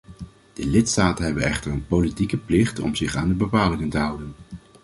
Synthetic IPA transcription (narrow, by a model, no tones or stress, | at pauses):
d̥əlɪtstaːtənɦɛbənɛχtərənpolitikəplɪχtɔ̰mzɪχaːndəbəpaːlɪŋəntəɦʌwdən